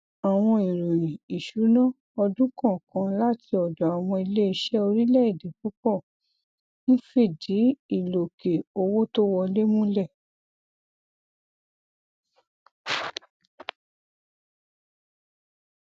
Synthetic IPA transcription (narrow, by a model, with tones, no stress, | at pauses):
a˨w̃ɔ̃˧i˨ɾu˨ĩ˨i˨ʃu˨˦nã˦˨ | ɔ˧dũ˦kã˦˨kã˨˦la˦tʰi˧ɔ˨d͡ʒɔ˨a˨w̃ɔ̃˧i˧le˦i˧ʃɛ˦o˧ɾi˦lɛ˦˨i˦˨de˨˦ku˦k͡pɔ˦˨ | nĩ˦fe˦˨di˨˦i˦˨lo˨ke˨o˧wo˦to˦wɔ˧le˦mũ˦lɛ˦˨